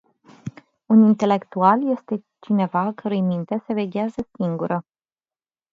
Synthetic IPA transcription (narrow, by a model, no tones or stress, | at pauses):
unint̪e̞le̞kt̪ualje̞st̪e̞ | t͡ʃine̞vaːkəɾujejmint̪e̞se̞ve̞ɡʲeazəsiŋɡuɾə